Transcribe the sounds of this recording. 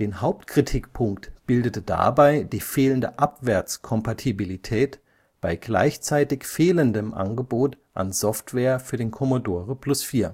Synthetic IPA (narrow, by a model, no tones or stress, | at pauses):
d̥eːnhaʊp̚tkʁ̥itʰikpʰʊŋktb̥ɪldətəd̥a̰baɪdiːfeːləndə̰ʔapv̥ɛɐt͡skʰɔmpatʰibilitʰɛːt | b̥aɪɡla̰ɪçt͡saɪtɪçfeːləndəmʔa̰nɡəboːtʔa̰nzɔftv̥ɛːɐfyːɐdeːnkʰɔmodoːʁəpʰl̥ʊsfiːɐ